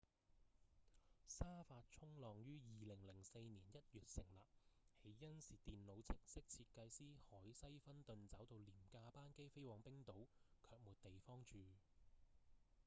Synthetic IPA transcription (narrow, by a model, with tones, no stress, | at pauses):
saː˥faː˧t̚t͡ʃʰʊ˥ŋlɔː˨˩ŋjyː˥jiː˨lɪ˨˩ŋlɪ˨˩ŋse˧jniː˨˩njɐ˥t̚jyː˨t̚sɪ˨˩ŋlaː˨p̚he˨˥jːɐ˥nsiː˨˩t̪iː˨nlo˨˧wt͡sʰɪ˥k̚sɪ˥k̚t͡sʰiː˧t̚kɐ˧jsiː˥hɔː˨˥jsɐ˥jfɐ˥nt̪ɵ˧nt͡sɐ˨˥wt̪o˧wliː˨˩mkaː˧paː˥nke˥jfe˥jwɔː˨˧˥ŋpɪ˥ŋt̪o˨˧˥wkʰœː˧k̚muː˨˩t̚t̪e˨jfɔː˥ŋt͡ʃyː˧